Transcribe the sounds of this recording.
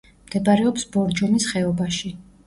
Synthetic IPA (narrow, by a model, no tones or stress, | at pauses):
md̪̥ɛbaɾɛɔpsbɔɾd͡ʒɔmisχɛɔbaʃi